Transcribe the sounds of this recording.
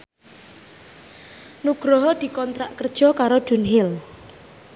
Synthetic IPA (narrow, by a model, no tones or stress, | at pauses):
nuɡ̥ɾɔɦɔd̪̥i̤kɔnt̪ɾaʔkərd̥ʒ̥ɔ̤kaɾod̥ṳnɦɪl